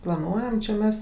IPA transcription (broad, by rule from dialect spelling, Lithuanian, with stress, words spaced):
plˠɐˈnuɔjɛm t͡ʃʲɛ ˈmʲɛs